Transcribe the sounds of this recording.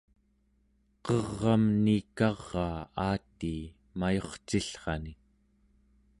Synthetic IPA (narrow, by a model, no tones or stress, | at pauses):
qʌʁːɑmnikɑʁːɑːaːt̪iː | majo̞χt͡ʃiɬχɑni